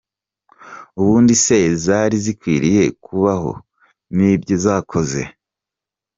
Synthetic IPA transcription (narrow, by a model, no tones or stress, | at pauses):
uβuːndise̞zaːɾizikwiːɾije̞kʰuβaɦo̞̰ | nibɟozaːkʰo̞ze̞̰